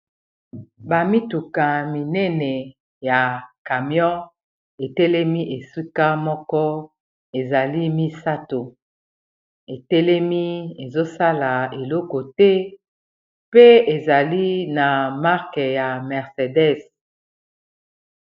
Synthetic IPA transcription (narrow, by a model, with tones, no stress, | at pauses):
ba˨mi˦tu˨ka˨mi˨nɛ˦nɛ˨ | ja˨ka˨mjɔ̃˦ | e˨tɛ˦lɛ˦mi˦ʔe˨si˦ka˦mɔ˦kɔ˦ | e˨za˨li˦mi˦sa˦to˨ | e˨tɛ˦lɛ˦mi˦e˨zo˦sa˦la˨e˨lɔ˦kɔ˨tɛ˦ | pe˦e˨za˨li˦na˨ma˦ʁkɛ˨ja˨mɛ˨ʁse˨dɛ˦s